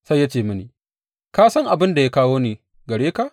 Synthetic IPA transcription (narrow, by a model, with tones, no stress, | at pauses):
sa˦jːa˦t͡ʃeː˨mɐ˦niː˨ | kaː˦sɐ˦ŋʔa˨bɪ˦nda˨ja˦kaː˦woː˦niː˨ | ɡɐ˨ɽeː˦ka˨ʔ